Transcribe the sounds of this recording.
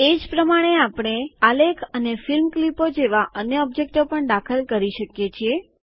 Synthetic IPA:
ed͡ʒpɾəmaɽ̃eapɽ̃ealekʰənefilmklipod͡ʒeʋaʔənjəɔb̚d͡ʒek̚ʈopəɳɖ̪akʰəlkəɾiʃəkjet͡ʃʰie

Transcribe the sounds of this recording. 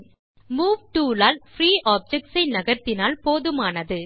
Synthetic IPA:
muːʋʈuːlaːlfɾiːʔaːb̚d͡ʒɛk̚ʈsɐɪnɐɣɐɾt̪ːɪnaːlpoːðɯmaːnɐðɯ

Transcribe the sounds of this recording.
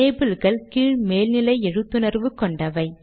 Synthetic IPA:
eːbɯlɣɐɭkiːɻmeːlnɪlɐɪɛɻɯt̪ːɯnɐɾʋɯkɔɳɖɐʋɐɪ

